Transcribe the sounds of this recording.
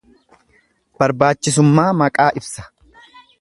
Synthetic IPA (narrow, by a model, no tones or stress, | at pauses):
b̥ɐɾbaːt͡ʃːɪs̬ʊmːaːmɐkʼaːʔɪbsɐ̥